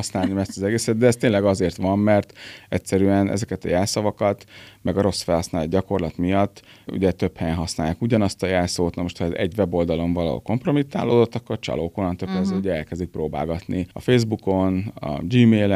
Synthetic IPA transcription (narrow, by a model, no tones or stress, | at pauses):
ɒsnaːlnimɛst̪ɒzɛɡeːsɛt̪̚d̪ɛːst̪eːnlɛɡɒzeːrt̪ʋɒmːɛrt̪ɛcʲsɛɾyɛnɛ̰zɛkɛt̪ɒjɛːlsɒvɒkɒt̪mɛɡɒɾo̞sfɛlhɒsnaːlod̪ɟɒko̞rlɒt̪mijɒt̪ː | ṵɟɛt̪ø̞phɛjɛnɦɒsnaːjaːkuɟɒnɒst̪ɒjaːlsoːt̪nɒmo̞ʃt̪hɒɛzɛ̰ɟvɛbo̞ld̪ɒlo̞ɱvɒlɒ̰o̰lko̞mpromit̪ːa̰ːloːd̪o̞t̪ːɒkːo̞rt͡ʃɒ̰loːkolɒnt̪øpːɛzuɟɛɛlkɛzd̪ik̚proːba̰ːlɡɒt̪niɒ̰feːzbuko̞nɒ̰d͡ʒiːmeːlɛ